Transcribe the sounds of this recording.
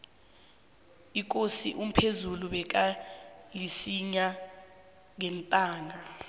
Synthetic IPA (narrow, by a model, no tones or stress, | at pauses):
ik̬ʼosiʔum̩pʰezuluɓɛk̬ʼalisiɲa | ŋɛntʼaːŋʱa